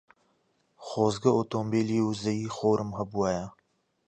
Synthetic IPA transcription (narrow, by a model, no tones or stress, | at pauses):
xoːzɡɐoːt̪oːmbeːliːoːzɐiːxoːɾəmɦɐbuaːjaː